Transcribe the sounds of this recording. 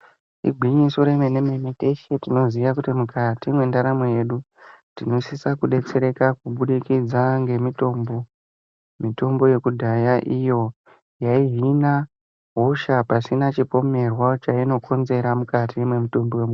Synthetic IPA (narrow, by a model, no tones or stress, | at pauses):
ḭɡʱwiɲiso̞ɾemenememete̞ʃetino̞ziʋakutimukatimwe̞ndaɾamoje̞ɗu | tino̞sisakuɗe̞t͡se̞ɾe̞kakuɓuɗikid͡zaŋɡe̞mito̞ːmbo | mito̞mbo̞je̞kudʱajaʔijo̞ | jaiɦina | ɦo̞ʃapasinat͡ʃipo̞me̞rwat͡ʃaino̞kʰo̞nze̞ɾamukatimwe̞muto̞mbo̞wemu